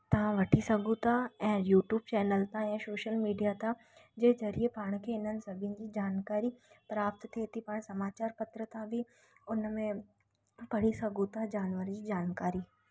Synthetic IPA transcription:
t̪ɐʋ̤ãʋɐʈʰisɐɡũt̪ʰaɛ̃ːjuːʈjuːb̚t͡ɕɛːnəlt̪ʰãɛ̃ːsoːʃəlmiːɖijat̪ʰã | d͡ʑeːzɐɾiepaːɽ̃kʰeɪnənɪ̆sɐbʱɪnɪ̆d͡ʑiːd͡ʑaːnkaːɾipɾaːp̚t̪t̪ʰeːt̪ipaːɽ̃sɐmaːt͡ɕaːɾpɐt̪ɾət̪ʰãbʱi | ʊnmẽ | bɐɽ̤isɐɡũt̪ad͡ʑaːnʋəɾd͡ʑiːd͡ʑaːnkaːɾi

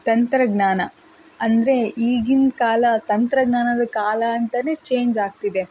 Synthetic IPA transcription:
t̪ɐnt̪ɾɐɡnaːnɐ | ɐnd̪ɾe̞iːɡinkaːlɐt̪ɐnt̪ɾɐɡnaːnɐd̪ɐkaːlɐːnt̪ɐneːt͡ʃe̞ːɲd͡ʒaːɡ̚t̪id̪e̞

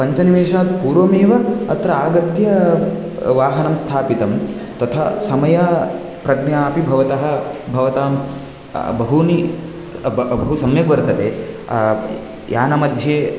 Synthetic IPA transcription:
pɐɲt͡ʃɐniʋeːʂaːt̪̚puːɾʋɐmeːʋɐɐt̪ɾɐaːɡɐt̪jɐ | ʋaːɦɐnɐmst̪ʰaːpit̪ɐmt̪ɐt̪ʰɐsɐmɐjɐ | pɾɐɡɳjaːpibʱɐʋɐt̪ɐɦɐ̆bʱɐʋɐt̪aːm | bɐɦuni | bɐɦusɐmjɐɡʋɐɾt̪ɐt̪eː | jʔaːnɐmɐd̪ʱjeː

